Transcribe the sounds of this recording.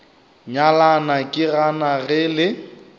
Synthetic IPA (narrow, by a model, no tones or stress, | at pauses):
ɲalanakʼɪranaɣɪlɪ